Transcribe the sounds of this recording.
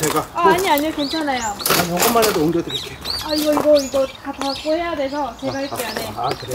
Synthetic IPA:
t͡ɕeɡaaaɲiaɲiokent͡ɕʰanajot͡ɕenaʌŋɡʌmːanadooŋɡjodɯɾit͈eaiɡʌiɡʌiɡʌtatak͈ohe̞jadwe̞sʰʌt͡ɕe̞ɡaɦaɭk͈eaneakɯɾe

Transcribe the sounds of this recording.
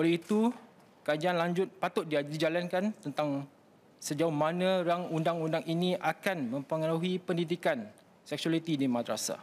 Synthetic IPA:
olɛhit̪u | kad͡ʒaanlaɲd͡ʒʊt̪̚pat̪ʊt̪̚didid͡ʒalankant̪ənt̪aŋ | səd͡ʒaʊhmãnə̃ɾaŋundaŋundaŋinĩʔakanmə̃mpəŋaɾuɦipəndidikan | sɛk̚sualit̪idimad̪ɾa̰sa̰

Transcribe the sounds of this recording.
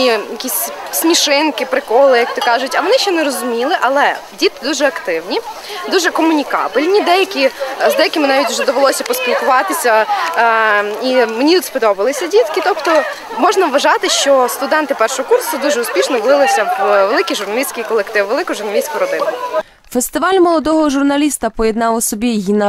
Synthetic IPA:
ijɐkʲisʲsʲmʲiʃɪnkɪpɾɪkɔlˠɪjɐk̚t̪ɔkɑʒʊtʲɐʋɔnɪʃt͡ʃɔnɛɾɔzʊmʲilˠɪʔɐlˠɛdʲit̪̚kʲɪd̪uʒɛɐkt̪ɪwnʲi | d̪uʒɛkɔmʊnʲikɑ̰bɪlʲnʲid̪ɛjɐkʲiʒd̪ɛjɐkɪmɪnɑʋʲitʲʊʒɛd̪ɔʋelˠɔsʲɐpɔspʲilˠkʊʋɑt̪ɪsʲɐ | imenʲit̪ut̪spɔd̪ɔbɪlˠɪsʲɐdʲit̪kʲit̪ɔpt̪ɔ | mɔʒnɐʋʋɐʒɑt̪ɪʃt͡ʃɔst̪ʊd̪ɛnt̪ɪpɛrʃɔɦɔkursʊd̪uʒɛʊspʲiʃnɔʋlˠɪlˠɪsʲɐʋelˠɪkijʒʊrnɐlʲisʲkɪjkɔlˠekt̪ɪʋʋelˠɪkʊʒʊrnɐlʲisʲkʊɾɔd̪ɪnʊ | fest̪ɪʋɑlʲmɔlˠɔd̪ɔɦɔʒʊrnɐlʲist̪ɐpɔjɛd̪nɑwɔsɔbʲijinɐ

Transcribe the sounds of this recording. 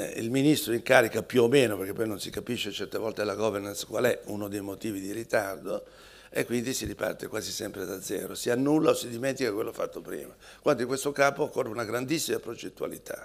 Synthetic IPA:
ḭlminist̪ɾoiŋkaːɾikapjuomːeːnoperkepːɔjnonsikapiʃːet͡ʃɛrt̪evɔlt̪elaɡɔvernanskwalɛunod̪ejmot̪iːvid̪iɾit̪ard̪o | ḛkːwind̪isiɾipa̰rt̪ekwaːzisɛmpɾed̪ad̪zːɛ̰ːɾosianːulːaosid̪iment̪ikakwelːofːat̪ːopɾḭːma | kwand̪oiŋkwest̪okaːpoːkːorːeunaɡɾand̪isːimapɾod͡ʒet̪ːua̰lḭt̪ʰa̰

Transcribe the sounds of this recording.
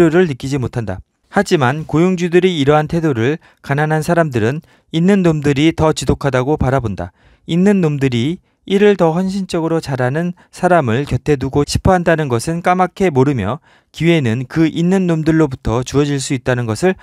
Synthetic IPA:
oɾɯɭnɯk͈id͡ʑimotʰanda̰ | had͡ʑimankojuŋd͡ʑudɯɾiːɾʌɦantʰe̞doɾɯɭ | kananɦansʰaɾamdɯɾɯn | inːɯnːomdɯɾitʌt͡ɕisokʰadaɡopaɾabonda̰ | inːɯnːomdɯɾi | iɾɯɭtʌçjʌnɕ̬ʰint͡ɕ͈ʌɡɯɾot͡ɕaɾanɯn | sʰaɾamɯɭkjʌtʰe̞duɡoɕʰi̥pʰʌɦandanɯnɡʌsʰɯnk͈amakʰe̞moɾɯmjʌ | kiwe̞nɯnkɯʔinːɯnːomdɯɭːobutʰʌt͡ɕuʌd͡ʑiɭs͈uit̚t͈anɯnɡʌsʰɯɭ

